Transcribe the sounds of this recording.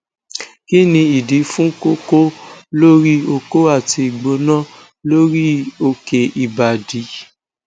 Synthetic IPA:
ki˦nĩ˧i˨di˨˦fũ˦ko˦ko˦lo˦ɾi˦o˧ko˦a˦˨ti˧i˨ɡ͡bo˧˦nã˦ | lo˦ɾi˦o˧ke˨ʔi˨ba˨di˨˦

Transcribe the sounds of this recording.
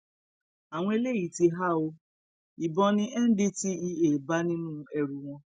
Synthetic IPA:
a˨w̃ɔ̃˦e˧le˦ji˨ti˧ɦa˦o˧ | i˨bɔ̃˧nĩ˦ʔɛ˦n̩˦di˦ti˦i˧e˨ba˦nĩ˦nũ˦ɛ˧ɾu˨w̃ɔ̃˧

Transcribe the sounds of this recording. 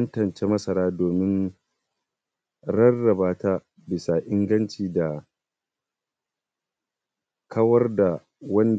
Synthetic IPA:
ɐ˦ntɐ˨nt͡ʃe˦mɐ˦sɐ˨ɾaː˦doː˨mɪ˦n | ɽɐ˦rːɐ˨baː˦taː˦ | bɪ˨saː˨ʔɪ˦ŋɡɐ˦nt͡ʃiː˨da˨ | kʰɐ˦wɐ˦rda˨ | wɐ˦n

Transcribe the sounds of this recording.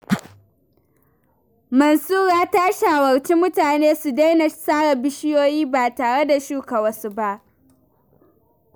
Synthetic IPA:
mɐ˨nsuː˦ɾaː˦taː˦ʃa˨wɐ˨ɽt͡ʃi˦mʊ˦taː˨neː˦su˨da˦jna˨saː˦ɽa˨bɪ˦ʃɪ˦joː˦jiː˦baː˨taː˨ɽe˦da˨ʃuː˦ka˨wɐ˦su˦ba˦ʔ

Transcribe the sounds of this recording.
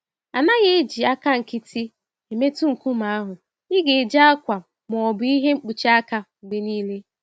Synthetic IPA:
a˨na˦ɣe˦e˦d͡ʒi˨a˦ka˦ŋ̩˨kɪ˦tʰi˦ | e˨me˦tu˦ŋ̩˨ku˦ma˨a˦ɦʊ˨ | ɪ˦ɡe˨d͡ʒa˦a˦kʷa˨ | m˨ɔ˨bʊ˨˦i˦ɦe˦ŋ͡m̩˦k͡pu˨t͡ʃi˦a˦ka˦u˨ɡ͡be˨niː˦le˦

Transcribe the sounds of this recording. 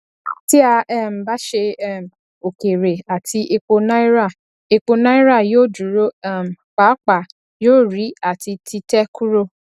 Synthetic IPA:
ti˦a˧ɛ˦˨m̩˨ba˦ʃe˧ɛ˦˨m̩˨ | o˨ke˨ɾe˨a˨tʰi˧ʔe˧k͡po˧nã˦i˦ɾa˦˨ | e˧k͡po˧nã˦i˦ɾa˦˨joː˦˨du˨˦ɾo˦˨m̩˨k͡pa˨˦k͡pa˨ | joː˦˨ɾi˨˦a˦˨ti˧tʰi˧tɛ˦kʰu˦ɾo˦

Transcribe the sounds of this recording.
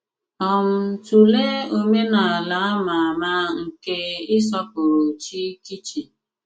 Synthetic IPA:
ɔ˨m̩˨˦tu˨le˦o˦me˦na˨a˨la˨˦a˦ma˨ma˦ŋ̩˨ke˦ɪ˦s̬ɔ˦p̚ʊ˨ɾo˨t͡ʃi˦ki˦t͡ʃi˨

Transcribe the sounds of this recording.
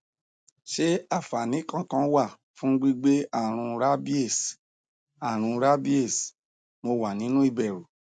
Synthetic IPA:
ʃe˦a˦˨fa˨nĩ˨˦kã˦kã˧˦wa˦˨ | fũ˦ɡ͡bi˦ɡ͡be˦a˦˨ɾ̃ũ˧ɾa˦bi˦e˦˨s | a˨ɾ̃ũ˧ɾa˦bi˦e˦˨s | mo˧wa˨nĩ˨˦nũ˦i˦˧˨bɛ˨ɾu˨

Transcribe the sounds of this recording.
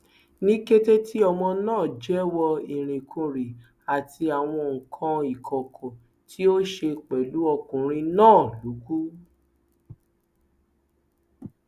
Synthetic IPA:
nĩ˦ke˦te˦ti˦ɔ˧mɔ̃˧nãː˦˨d͡ʒɛ˨˦wɔ˧i˨ɾ̃ĩ˨kʰũ˧˨ɾi˨ | a˨tʰi˧a˨w̃ɔ̃˧˨ŋ̩˨kʰã˧i˨kʰɔ˨kʰɔ̃˨ | tʰi˦o˦ʃe˧k͡pɛ˨lu˨˦ɔ˧kũ˨ɾ̃ĩ˧nãː˦˨lu˨˦ɡu˦

